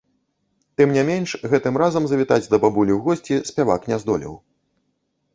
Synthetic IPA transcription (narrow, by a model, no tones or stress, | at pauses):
t̪ɨmnʲɛmʲɛnʂɣɛt̪ɨmɾazɐmzɐvʲit̪ad͡zʲd̪ɐbabulʲiwɣɔsʲt͡sʲisʲpʲava̰knʲɛzd̪ɔlʲḭw